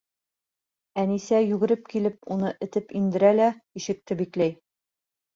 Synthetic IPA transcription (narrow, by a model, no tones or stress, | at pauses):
ænisæjʉɡɘ̆ɾɘp̚kilɘp̚unɤʔɘ̆t̪ɘpind̪ɘ̆ɾælæiʃɘ̆k̚t̪ɘbiklæj